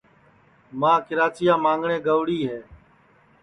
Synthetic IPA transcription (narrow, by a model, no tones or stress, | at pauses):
mãːkɪɾaːt͡ʃɪjãːmãːŋɡɳẽːɡəʋɽiːɦeː